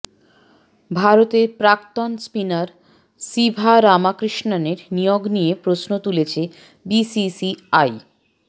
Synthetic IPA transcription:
bʱaɾot̪eɾpɾakt̪onspinaɾ | sibʱaɾamakɾiʃnaneɾnijoɡnijepɾosnot̪ulet͡ɕʰe | bisisiaj

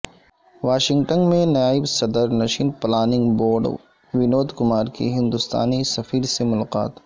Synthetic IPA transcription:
ʋaːʃɪ̃ŋɡʈənmẽnjaːɪbsɐd̪əɾnɐʃiːnplaːnɪ̃ŋɡboːɾɖ | ʋɪnoːd̪kʊmaːɾkḭɦɪ̃nd̪ʊst̪a̰ːnisɐfiːɾsemʊlaːqa̰ːt̪

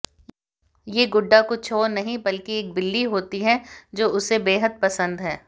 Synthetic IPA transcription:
jeːɡʊɖːakʊt͡ʃʰoːɾnɐɦĩbɐlkieːk̚bɪlːiɦoːt̪iɦɛd͡ʒoːʊsebeːɦəd̪̚pɐsə̃nd̪ɦɛː

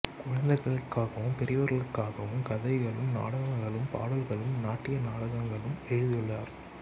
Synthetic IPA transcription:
kʊɻɐnd̪ɐɪɣɐɭɯkːaːɣɐʋɯmpɛɾɪʋɐɾɣɐɭɯkːaːɣɐʋɯmkɐðɐɪɣɐɭɯmna̰ːɽɐɣɐŋɡɐɭɯmpa̰ːɽɐlɣɐɭɯmnaːʈːɪjɐnaːɽɐɣɐŋɡɐɭɯmɛɻɯðɪjɯɭːaːɾ

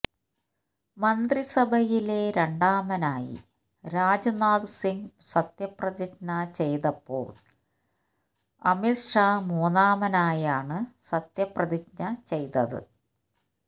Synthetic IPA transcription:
mɐnd̪risɐbʱɐjile̞ɾe̞ɳɖaːmɐnaːjḭ | ɾaːd͡ʑɐnaːd̪ɨsiŋsɐt̪jɐprɐðit͡ɕnɐt͡ɕe̞jt̪ɐpːo̞̰ːɭ | ɐ̰mitʂaːmuːnaːmɐnaːjaːɳɨsɐt̪jɐprɐðik̚nɐt͡ɕe̞jt̪ɐðɨ̰

